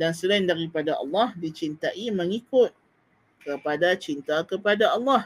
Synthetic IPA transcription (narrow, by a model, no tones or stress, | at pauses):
dansəlaɪndaɾipadaʔɑ̰lːɑhdit͡ʃint̪aʔiməŋikʊt̪̚ | kəpadat͡ʃint̪akəpadaɑlːɑh